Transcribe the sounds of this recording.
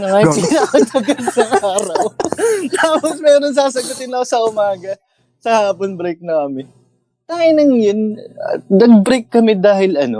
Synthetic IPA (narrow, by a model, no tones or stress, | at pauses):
nɐŋaːpilapɐmɐɡɐnd̪ɐŋʔaːɾɐwt̪aːposmɛːɾons̬aːs̬ɐɡʊt̪ɪnɐkosɐʔʊmaːɡɐ | sɐhaːponbɾɛjk̚naɐmɪn | t̪aːjɪnɐŋjɐnɐ̰t̪nɐɡ̚bɾɛjkːɐmɪd̪aːhɪlɐno